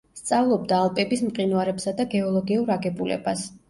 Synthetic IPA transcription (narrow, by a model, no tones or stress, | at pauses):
st̪sʼavlˠɔb̚d̪aːlˠpʼɛbismqʼinuaɾɛpsad̪aɡɛɔlˠɔɡiuɾaɡɛbulɛ̰bas